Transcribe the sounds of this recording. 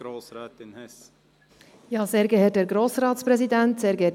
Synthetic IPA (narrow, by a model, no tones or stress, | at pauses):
ɾoːsɛːtnɛ | jɑːseːɾɡəɦɛːt̚d̥ɛːɾɡɾoːsɾɑːtspɾɛzidɛntseːɾɡəɛ